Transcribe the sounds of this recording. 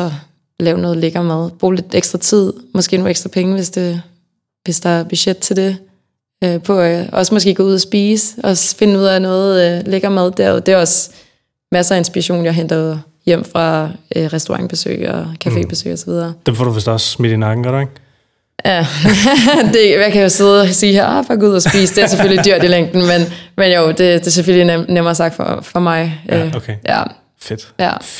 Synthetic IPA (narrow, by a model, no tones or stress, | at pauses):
ɒ̽ | lɛːʊnɔ̽ːð̩ˠleɡ̥ɐːmæð̞ˠb̥ʁṵːle̝d̥eɡ̥sd̥ʁɐt͡sʰið̞̰ˠmɒ̽sɡ̥e̝̰ːnoeɡsd̥ʁɐpʰeŋəʋe̝sd̥e̝ | ʋe̝sd̥ɑ̈æɐb̥yɕed̥̚t͡sʰe̝ld̥e̝ | øpʰɒ̽æɒ̽smɒ̽sɡ̥e̝̰ːɡ̥ɔ̽ːuð̰ˠɐsb̥iːsɒ̽fe̝nuð̞̰ˠænɔ̽ːð̩ˠleɡ̥ɐːmæð̞ˠd̥æɐ̰d̥e̝ɒ̽s | mæsɐæe̝nsb̥iʁɐɕo̝̰ːnjɑ̈ɦend̥ɐð̩ˠ | jem̰fʁɑ̈ʁɛsd̥oʁɑ̈ŋb̥e̝sø̰ːɒkʰæfe̝̰ːb̥e̝sø̰ːɪɒsɒʋið̞ˠɐːd̥emfɔ̰duʋesd̥ɒsːmid̥inɑ̈ɡ̥n̩ɡ̥ɒɾeŋ | jæ | d̥e̝jɑ̈ɪkʰæjoseðˠsiːheɐɒfɑɡ̥uð̰ˠɒsb̥ḭːsd̥e̝æɐs̬efølid̥yɐ̰d̥ileŋ̰d̥n̩menmenjoʊd̥e̝d̥e̝sefølinemɐːsɑ̈ɡ̥d̥fɒ̰fɒ̽mɑ̈ɪøkʰejæ̰ | fed̥jæ